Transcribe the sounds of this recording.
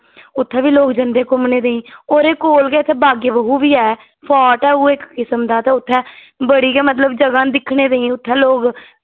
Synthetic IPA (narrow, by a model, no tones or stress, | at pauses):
ʊt̪ʰːɛ̃ːʋiːloːɡd͡ʒənd̪eːkʊmɳeːd̪eːĩːoːɾeːkoːlkɛːɪt̪ʰːɛːbaːɡeːʋəɦũːʋiːɛː | pʰɔːʈɛːuːɪkːɪsəmd̪aːt̪ãːʊt̪ʰːɛ̃ː | bəɽiːkɛːmət̪̬ləbd͡ʒəɡãːd̪ɪkʰɳeːd̪eĩːʊt̪ʰːɛ̃ːloːɡ